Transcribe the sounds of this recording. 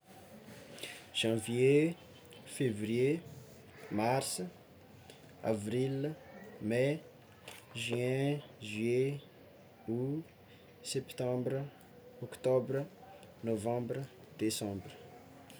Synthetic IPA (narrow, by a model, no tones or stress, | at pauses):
ʒ̥ɑ̃vje | fevrije | marsə | a̰vrilmɛ | ʒɥɛ̃ʒɥe | u | sɛpt̪ɑ̃bɾə | ɔkt̪ɔbrə | novɑ̃bɾə | d̪esɑ̃brə